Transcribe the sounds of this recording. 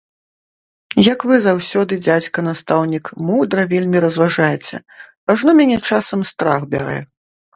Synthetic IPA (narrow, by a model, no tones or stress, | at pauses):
jɐkvɨzawsʲɔd̪ɨd͡zʲat͡sʲkɐnast̪awnʲikmuwd̪ɾɐvʲelʲmʲiɾɐzvaʐajɛt͡sʲɛ̰ | aʐnɔmʲanʲɛt͡ʂasɐmst̪ɾaxbʲa̰ɾɛ̰